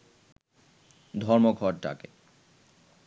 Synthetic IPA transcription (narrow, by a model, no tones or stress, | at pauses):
d̪ʱɔɾmoɡʱɔɾʈa̰ke